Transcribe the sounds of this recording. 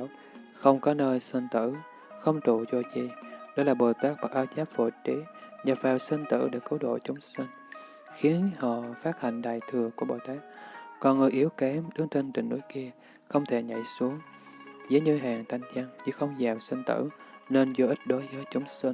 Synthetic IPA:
xə˧wŋ͡mkɔ˨˦nəː˧jsə˧nt̪ɨ̰˧˨ | xə˧wŋ͡mt̪u˧˩t͡ɕo˧t͡ɕḭ˧˨ɗɔ˨˦laː˨˩ɓo˨˩t̪aː˦˥k̚ɓa˨˩k̚ʔaː˧wt͡ɕaː˦˥p̚fo̰˧˩t͡ɕi˨˦ɲa˨˩vaː˨˩wsə˧nt̪ɨ̰˧˥ɗḛ˧˩kɨ˨˦ɗo̰˧˨t͡ɕʊ˨˦ŋ͡msi˧n | xi˨˦ənhɔ̰˧˨faː˦˥t̚ha˨˩jŋ̟ɗa̰ː˨˩jt̪ʰɨ˨˩əku˧˩əɓo̰˨˩jt̪aː˦˥k̚kɔ˨˩nŋɨ˨˩ʔi˨˦əwkɛ˨˦mɗɨ˨˦ŋt͡ɕe˧nt͡ɕï˨˩ŋ̟nu˨˦jki˧ə | xə˧wŋ͡mt̪ʰe˧˩ɲa̰˧˨jsu˨˦əŋ | zəː˨˦jɲɨ˧jɦaː˨˩ŋt̪ʰa˧jŋ̟t͡ɕa˧ŋt͡ɕɨ˧˥xə˧wŋ͡mzaː˨˩msə˧nt̪ɨ̰˧˥ne˧nzo˧ʔi˦˥t̟̚ɗo˨˦jvəː˨˦jt͡ɕʊ˨˦ŋ͡msi˧n

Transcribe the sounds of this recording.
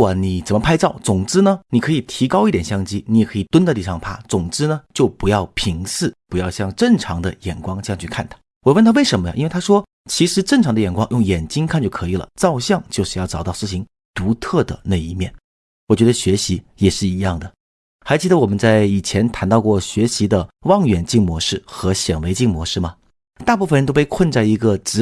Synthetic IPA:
ni˨˩t͡sə˨˩mə˧pʰa˥ɪt͡sɑ˥˩ʊt͡sʊ˨˩ŋʈ͡ʂɻ̩˥nə˨ni˨˩kʰɤ˧˥i˨˩t̪ʰi˧˥kɑ˥ʊi˥˩t̪jɛ˨˩nɕjɑ˥˩ŋt͡ɕi˥ni˧˥jɛ˨˩kʰɤ˧˥i˨˩t̪wə˥n˥˧t̪i˥˩ʂɑ˥˩ŋpʰa̰˥˩t͡sʊ˨˩ŋʈ͡ʂɻ̩˥nə˨t͡ɕjo˥˩ʊpu˧˥jɑ˥˩ʊpʰi˧˥ŋsɹ̩˥˩pu˧˥jɑ˥˧ʊɕjɑ˥˧ŋʈ͡ʂə˥˩ŋʈ͡ʂʰɑ˧˥ŋd̪ə˧jɛ˨˩nkwɑ˥ŋt͡ɕjɑ˥˧ŋ˧t͡ɕʰy˥˧kʰa˥˩nt̪ʰḁ˥ | wɔ˨˩wə˥˩nt̪ʰa˥we˥˩ɪə˧˥nmə̰˧ʔi˥nwe˥˩a˥ʂwɔ˥ | t͡ɕʰi˧˥ʂɻ̩˧˥ʈ͡ʂə˥˩ŋʈ͡ʂʰɑ˧˥ŋd̪ə˧˨jɛ˨˩nkwɑ˥ŋjʊ˥˩ŋjɛ˨˩nt͡ɕi˥ŋkʰa˥˧nt͡ɕjo˥˩ʊkʰɤ˧˥i˨˩lə̰˩t͡sɑ˥˧ʊɕjɑ˥˧ŋt͡ɕjo˥˧ʊʂɻ̩˥˧jɑ˥˩ʊʈ͡ʂɑ˨˩ʊt̪ɑ˥˧ʊsɹ̩˥˧ɕʰi˧˥ŋ | t̪u˧˥t̪ʰɤ˥˩d̪ə̰˩na˥˩i˧˥mjɛ˥˩n | wɔ˨˩t͡ɕɥɛ˧˥d̪ə˧ɕɥɛ˧˥ɕi˧˥ | jɛ˨˩ʂɻ̩˥˩i˧˥jɑ˥˩ŋd̪ə˩ | xa˧˥ɪt͡ɕʰi˥d̪ə˧wɔ˨˩mə˦nt͡sa˥˩ɪi˨˩t͡ɕʰjɛ˧˥nt̪ʰa˧˥nt̪ɑ˥˧ʊkwɔ˥˩ɕɥɛ˧˥ɕi˧˥d̪ə˧wɑ˥˩ŋɥɛ˨˩nt͡ɕi˥˩ŋmwɔ˧˥ʂɻ̩˥˩xɤ˧˥ɕjɛ˨˩nwe˧˥ɪt͡ɕi˥˩ŋmwɔ˧˥ʂɻ̩˥˩mɐ˩ | t̪a˥˧pu˥˩fə˩nt̪o˥ʊpe˥˧ɪkʰwə˥˧nt͡sa˥˩ɪi˧˥ɡə˧ʈ͡ʂɻ̩˧˥

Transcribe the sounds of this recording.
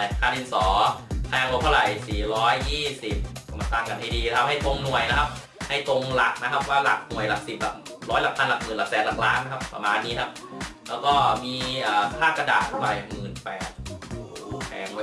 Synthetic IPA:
k̪ʰaː˧˩nʔi˧˩nsɔː˩˦pʰɛː˧ŋlu˧˦t̪ʰa˥˩˧ɾa˨˩jsiː˨˩˦ɾɔː˦˥jːiː˥˩si˨˩p̚ma˧nt̪aː˧ŋka˧nha˧˩jdiː˧n˦kʰa˦˧p̚ha˥˩jt̪o˧ŋnu˨˩əjna˦˥kʰa˦˥p̚ | ha˥˩jt̪o˧ŋla˨˩k̚na˦kʰa˦˥p̚waː˥˩la̰˨˩k̚nu˨˩əjla˨˩k̚si˨˩p̚bɛː˨˩p̚ɾɔː˦˥jla˧˩pʰːa˧nla˨˩k̚mɯː˨˩la˨˩k̚sɛː˨˩t̪la˨˩k̚laː˦˥nːa˦˥kʰa˦˥p̚ːɾa̰˧maː˧nːiː˦˥kʰa˦˥p̚lɛː˦˥wkɔː˥˩miː˧ʔaː˨˩pʰaː˥˩kːɾa˧daː˨˩t̪̚ʰa˥˩a˨˩jmɯː˨˩npɛː˨˩t̪̚ː | pʰɛː˨˩ŋu˨˦

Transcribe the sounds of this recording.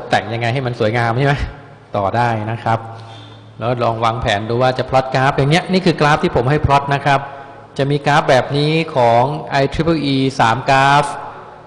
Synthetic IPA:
t̪ɛ˨˩ŋja˧ŋːa˧jɦa˥˩jma˧nsu˨˩˦əjŋaː˧mt͡ɕʰa˥˩ma˦˥j | t̪ɔː˨˩daː˥˩jna˦˥kʰɾa˦˥p̚ | lɛː˦˥kɔ˥˩ɾɔː˧ŋwa˧ŋpʰɛː˩˦nduː˧waː˥˩t͡ɕa˨˩pʰɾɔ˦˥t̪̚kaː˦˥p̚jaː˨˩ŋni˦˥ɐʔniː˥˩kʰɯː˧klaː˦˥p̚t̪ʰiː˥˩pʰo˩˦mɦa˥˩jpʰɾɔ˦˥t̪̚na˦˥kʰɾa˦˥p̚ | t͡ɕa˨˩miː˧kaː˦˥p̚bɛː˨˩p̚niː˦˥kʰɔː˩˦ŋʔa˧jt̪ʰɾi˦˥pʰːʔiː˧saː˩˦mkaː˦˥p

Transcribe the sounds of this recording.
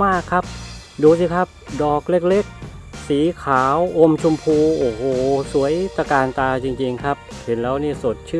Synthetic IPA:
maː˥˩kʰːa˦˥p̚ | duː˧s̬i˧˩kʰa˦˥p̚dɔː˨˩k̚le˦˥˩k̚le˦˥˩k̚siː˩˦kʰaː˩˦wʔo˧mt͡ɕʰu˧mpʰuː˧ʔoː˨˩hoː˨˩su˩˦əjt̪a˧kaː˧nt̪aː˧t͡ɕi˧ŋt͡ɕi˧ŋkʰa˦˥p̚ | he˩˦nlɛː˦˥wniː˥˩so˨˩t̪̚t͡ɕʰɯ˥˩

